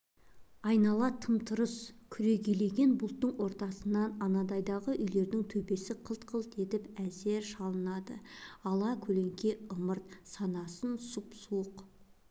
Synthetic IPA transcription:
ɑjnɑlˠɑt̪ʰəmt̪ʰʊɾəskʲʰʏɾe̞ɡʲele̞ɡʲe̞nbʊlˠt̪ːəɴwo̞ɾt̪ɑsənːɑnɑnɑd̪ɑjd̪ɑʁəʔʏjle̞ɾd̪ɪŋt̪ʰɵpe̞sɪqʰəlˠt̪qʰəlˠt̪e̞t̪ɪpæze̞ɾʃɑlˠənɑd̪ə̰ɑlˠɑkʲʰɵle̞ŋkʲe̞əməɾt̪̚sɑnɑsənsupsuəq

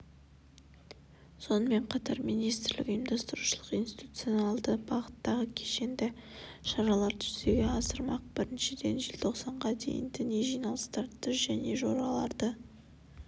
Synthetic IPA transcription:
so̞nəme̞ɴqʰɑt̪ɑɾmijnijst̪ɪɾlɪ̰kʊjəmd̪ɑst̪əɾuʃəlˠəqijnsi̥t̪ut̪sijonɑlˠd̪əbɑʁət̪ːɑʁəkʲʰeʃe̞nd̪ɪʃɑɾɑlˠɑɾt̪ʰʏ̥z̥d̪eɡʲe̞ɑsəɾmɑq̚bɪɾɪnʃɪd̪e̞̰nʒɪlʲt̪ʰo̞qsɑɴʁɑd̪ejɪ̰nd̪ɪneʒijnɑlˠə̥st̪ɑɾt̪ʰʏsʒæne̞ʒo̞̰ɾɑlˠɑɾd̪ə

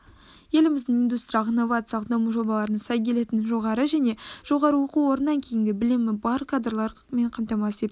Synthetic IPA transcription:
je̞lɪmɪzd̪ɪŋind̪ust̪ɾʲijɑqnːovat̪sjɑlˠəq̚d̪ɑmuʒo̞bɑlˠɑɾənɑsɑjkʲʰe̞le̞t̪ɪnʒo̞ʁɑɾəʒæne̞ʒ̥o̞ʁɑɾəwo̞quwo̞ɾənːɑŋkʲʰe̞jɪŋɡʲɪbɪlɪmɪbɑɾkʰad̪rlˠɑɾ | me̞ɴqʰɑmt̪ɑmɑsed̪ɪ

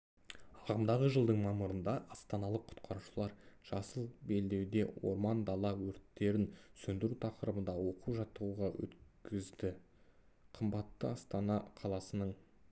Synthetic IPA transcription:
ɑʁəmd̪ɑʁəʒəlˠd̪əɴmɑməɾənd̪ɑʔɑst̪ɑnɑlˠəqʰʊ̥t̪qʰɑɾuʃəlˠɑɾʒ̥ɑsəlˠbe̞ld̪e̞wd̪e̞wo̞̰ɾmɑnd̪ɑlˠɑwɵɾt̪ːe̞ɾɪnsɵnd̪ɪɾut̪ʰɑqəɾəbənd̪ɑwo̞quʒɑt̪ːəʁuʁɑwɵ̰t̪kʲʰɪzd̪ɪ | qʰəmbɑt̪ːəɑst̪ɑnɑqʰɑlˠɑsənəɴ

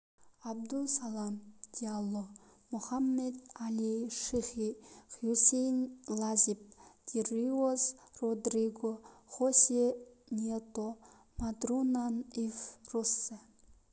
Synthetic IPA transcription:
ab̚d̪usalˠamd̪̥ʲialˠːomuhamːed̪alʲiʃiχiχjusʲejnʲlˠazʲip̚d̪̥ʲiriozrod̪riɡoχosʲe | nʲet̪o | mad̪runanifrosːɨ

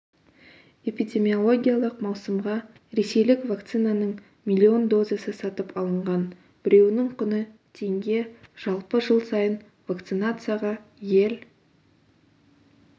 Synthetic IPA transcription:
e̞pijd̪ʲe̞mʲio̞lˠo̞ɡʲijalˠəqmɑwsəmʁɑ | ɾe̞se̞jlɪkvakt̪sɨnanəɴ | mʲilʲːio̞nd̪o̞zesəsɑt̪əpɑlˠəɴʁɑn | b̥ɪɾe̞wɪnɪɴqʰʊnət̪ʰe̞ŋɡʲe̞ʒ̥ɑlˠpəʒəlˠsɑjən | vak̚t̪sɨnat̪sɨjaʁɑje̞l

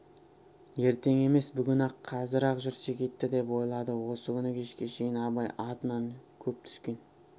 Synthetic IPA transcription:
je̞ɾt̪e̞ŋe̞me̞sbʏɡʲɪnɑqʰːɑzəɾɑqʒʏɾsekʲʰe̞t̪ːɪd̪e̞pwo̞jlˠɑd̪əwo̞səkʲʰʏnɪkʲʰe̞ʃkʲe̞ʃe̞jɪnɑbɑjɑt̪ənɑnkʲʰɵp̚t̪ʰʏ̥skʲe̞n

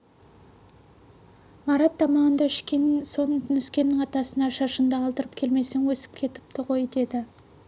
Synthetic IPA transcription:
mɑɾɑt̪̚ːɑmɑʁənd̪ɑɪʃkʲe̞nɪnso̞nʰnʏskʲe̞nːɪŋɑt̪ɑsənɑʃɑʃənd̪ɑːlˠd̪əɾəp̚kʲʰe̞lme̞se̞ŋwɵsɪ̥p̚kʲʰe̞t̪ɪ̥p̚t̪ɪʁo̞jd̪e̞d̪ɪ

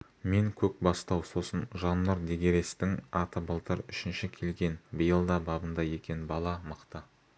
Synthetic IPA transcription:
me̞ŋkʲʰɵk̚bɑst̪ɑwso̞sənʒɑnːəɾd̪eɡʲe̞ɾe̞st̪ɪŋɑt̪əbəlˠt̪əɾʏʃɪnʃɪkʲʰe̞lɡʲe̞nbəjəlˠd̪ɑbɑbənd̪ɑje̞kʲe̞nbɑlˠɑməqt̪ə

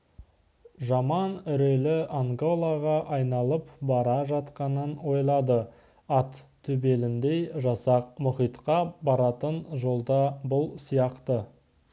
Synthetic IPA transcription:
ʒɑmɑnʏɾe̞lɪʔaŋɡolˠɑʁɑʔɑjnɑlˠəpbɑɾɑʒɑt̪qɑnənwo̞jlˠɑd̪ə | ɑt̪ʰːʏbe̞lɪnd̪ejʒɑsɑq̚mʊχijt̪qɑbɑɾɑt̪ənʒo̞lˠd̪ɑbʊlˠsijɑqt̪ə

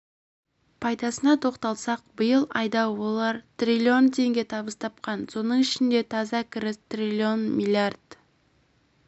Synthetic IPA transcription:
pʰɑjd̪ɑsənɑt̪ʰo̞qt̪ɑlˠsɑq̚bəjəlˠɑjd̪ɑwo̞lˠɑɾt̪rʲilʲio̞nt̪ʰe̞ŋɡʲe̞t̪ʰɑbəst̪ʰɑp̚qɑnso̞nəɴɪʃɪnd̪e̞t̪ʰɑzɑkʰʲɪɾɪst̪rʲilʲio̞nmʲilʲiard̪̥

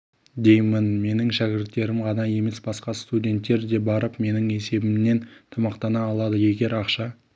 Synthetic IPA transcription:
d̪e̞jmənme̞nɪŋʃækʲɪɾt̪ːe̞ɾɪmʁɑnɑje̞me̞sbɑsqɑst̪udʲe̞nt̪ːe̞ɾd̪e̞bɑɾəpme̞nɪŋe̞se̞bɪmne̞nt̪ʰɑmɑqt̪ɑnɑːlˠɑd̪əje̞ɡʲe̞ɾɑqʃɑ

